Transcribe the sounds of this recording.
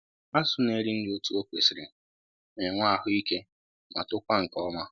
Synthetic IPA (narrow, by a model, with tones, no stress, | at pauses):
a˦sʊ˦ne˦ɾɪ˦n̩˦do˦tu˦o˦kʷe˨sɪ˨ɾɪ˨ | me˨ŋʷa˦˨ɦʊ˦i˦ke˦ | ma˨tʊ˦kʷa˦ŋ̩˨kɔ˦ma˦